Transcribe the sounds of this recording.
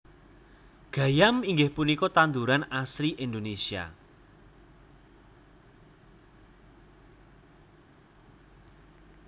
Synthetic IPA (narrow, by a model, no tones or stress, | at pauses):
ɡ̥ä̤jamiŋɡɪhpunikɔt̪and̪uɾanasɾiʔind̪onesia̰